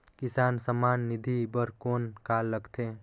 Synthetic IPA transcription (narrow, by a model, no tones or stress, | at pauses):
kisaːnsəmanːid̪ʱibəɾkoːnkalːəɡt̪ʰe